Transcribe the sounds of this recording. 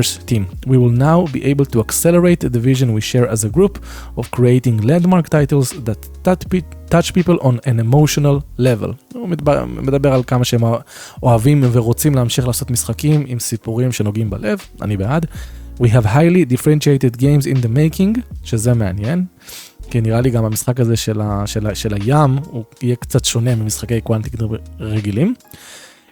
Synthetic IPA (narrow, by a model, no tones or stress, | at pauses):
stːĩmwiwilnawbḭʔejbəltuaksɛləɹejt̪d̪əviʒõnwiʃɛɹɛzeɡɾup | ovkɹiejtĩŋɡlɛ̃ndmaɾkt̪ajtelzd̪at̪ː | at͡ʃpipəlʔõnɛ̃nemoʃonalːevɛ̰l | med̪abeʁalkamaʃeem | ʔoavĩmveʁot͡simleamʃiχlaːso̞t̪misχakimimsipuʁimʃe̞no̞ɡimbale̞v | a̰nibead̪wiɦɛvɦajlidifɾenʃiejtedɡejmzind̪emejkiŋɡʃezeme̞anjen | kiniʁaliɡamamisχakaze̞ʃelaʃelaʃelajamuijekt͡sat̪ʃo̞ne̞mimisχake̞jkwant̪ikʁeɡilim